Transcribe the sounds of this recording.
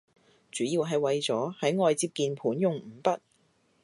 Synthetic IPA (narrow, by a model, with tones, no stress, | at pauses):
t͡syː˨˥jiː˨˧wɦɐ˨jwɐ˨˧jt͡sɔː˨˥hɐ˨˥jŋɔː˨jt͡siː˧p̚kiː˨npʰuː˨˥njʊ˨ŋm̩ː˨˩pɐ˥t̚